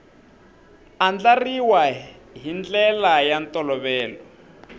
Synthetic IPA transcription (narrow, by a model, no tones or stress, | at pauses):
and͡ɮariwaɦind͡ɮɛlajantɔlɔβɛːlɔ